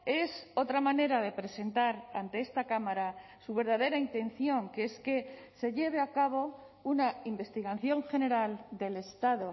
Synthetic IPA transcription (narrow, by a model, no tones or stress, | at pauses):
e̞so̞t̪ɾamane̞ɾaðe̞pɾese̞nt̪aɾant̪e̞e̞st̪akamaɾa | suβ̞e̞ɾð̞aðe̞ɾaint̪e̞n̟θjo̞ŋkeeske̞se̞ʎe̞β̞eakaβ̞o̞ | unaimbe̞st̪iɣaθjo̞ŋxe̞ne̞ɾald̪e̞le̞st̪aðo̞